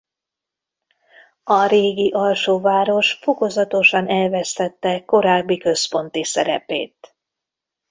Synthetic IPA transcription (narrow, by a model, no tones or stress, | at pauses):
ɒɾeːɡiʔɒlʃoːvaːɾo̞ʃfo̞ko̞zɒt̪o̞ʃɒnɛlvɛst̪ɛt̪ːɛko̞ɾaːbːikø̞spo̞nt̪isɛɾɛ̰pḛːt̪